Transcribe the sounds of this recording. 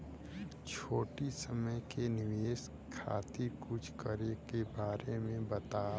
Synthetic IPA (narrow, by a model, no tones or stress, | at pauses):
t͡ʃʰoːʈisəməjkenɪʋeːs | kʰa̰ːt̪ikʊt͡ʃʰkəɾekebaːɾemẽbɐt̪aː